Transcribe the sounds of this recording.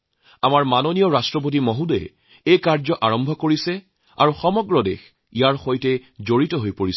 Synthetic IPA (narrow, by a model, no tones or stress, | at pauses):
amaɹmanonijɔɹastɹɔp̬ot̬imɔɦudɛ̰ | ejkaɹzɔʔaɹɔmbʱɔkoɹisɛ | a̰ɹuxɔmɔɡɹɔdḛx | ijaɹxojtɛzoɹitɔɦojpoɹisɛ